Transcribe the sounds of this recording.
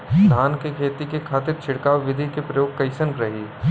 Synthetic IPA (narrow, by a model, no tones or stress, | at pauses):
d̪ʱaːnkekʰeːt̪ikekʰaːt̪ɪɾt͡ʃʰɪɽkaːʋʋɪd̪ʱikepɾɐjoːɡ̚kɐɪʃənkɾɐɦiː